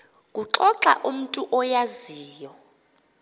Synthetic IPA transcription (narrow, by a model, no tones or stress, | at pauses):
k̬ʼuǃɔǁa̰ʔum̩tʼuʔɔjaziːjɔ